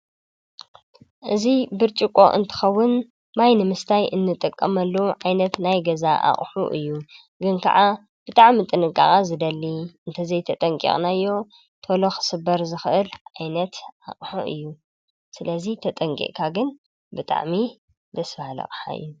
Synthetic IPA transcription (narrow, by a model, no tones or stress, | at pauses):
ʔɨzibɨɾt͡ʃʼikʼo̞̰ʔɨ̰nt̪ʰɨ̥xɐwːʊn | majnɨmɨst̪ʰajʔɨnːɨt̪ʼɨkʼːɐmɐlːɐʕajnɐt̪najɡɐzaʔa̰χʼħuʔɨ̰jːu | ɡɨnkʰɐ̰ʕa | b̥ɨt̪ʼaʕmit̪ʼɨnɨkʼa̰χʼazɨd̪ɐlːiʔɨnt̪ʰɐzɐjt̪ʰɐt̪ʼɐŋkʼḭχʼnajːo̞ | t̪ʰolo̞xɨ̥sɨbːɐɾzɨxʔɨlʕajnɐt̪ʔaχʼħṵʔɨ̰jːu | sɨlɐzit̪ʰɐt̪ʼɐŋkʼḭʔkʰaɡɨn | bɨt̪ʼa̰ʕmi | d̪ɐsfalɐ̰χʼħa̰ɨ̰jːu